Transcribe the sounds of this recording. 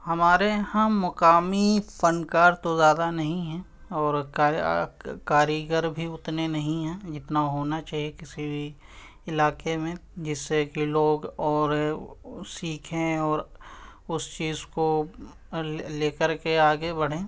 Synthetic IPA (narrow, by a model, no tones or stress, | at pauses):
hɐmaːɾehãːmʊkaːmifənkaːɾt̪ozjaːd̪anɐɦĩɦɛ̃ː | ɔːɾaː | kaːɾiɡəɾbʱiʊt̪nenɐɦĩɦɛ̃ːd͡ʒɪt̪naɦoːnat͡ʃaːɦiekɪsibʱi | ɪlaːkemẽd͡ʒɪsːekiloːɡɔːɾ | siːkʰẽɔːɾʊst͡ʃiːzko | leːkəɾkeaːɡebɐɽ̤ẽː